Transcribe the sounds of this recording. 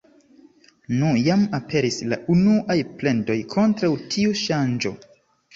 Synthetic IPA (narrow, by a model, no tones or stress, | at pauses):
nujamapʰe̞ɾisla̰ʔunuʔajple̞nto̞jkʰo̞ntɾawtʰiuʃand͡ʒo̞̰